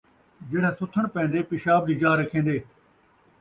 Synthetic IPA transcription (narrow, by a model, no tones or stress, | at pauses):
d͡ʒɪɽ̤̃ẽsʊt̪ʰəɽ̃pɛ̃ːnd̪eːpɪʃaːb̚d͡ʑid͡ʒaːɾəkʰẽːnd̪eː